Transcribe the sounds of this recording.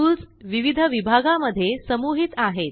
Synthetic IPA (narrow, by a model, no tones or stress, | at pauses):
uːlt͡s | ʋiʋid̪ʱəʋibʱaɡaməd̪ʱːjesəmuɦit̪aɦet̪̚